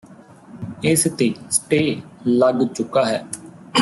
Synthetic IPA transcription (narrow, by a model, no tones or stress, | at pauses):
ɪst̪eːsʈeːləɡt͡ʃʊkaːɦɛː